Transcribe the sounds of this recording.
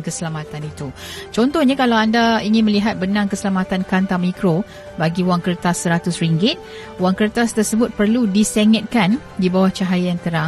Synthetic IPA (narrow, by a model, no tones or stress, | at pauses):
kəsəlamat̪anit̪ut͡ʃɔnt̪ɔhɲakalawandaiŋɪ̃nməliɦat̪̚bənãŋkəsəlamat̪ankant̪amikɾo | baɡiuwaŋkəɾt̪asəɾat̪ʊsriŋɡɪt̪̚ | waŋkəɾt̪ast̪ərsəbʊt̪̚pərludiseŋət̪̚kan | dibawaht͡ʃaɦajajaŋt̪əɾa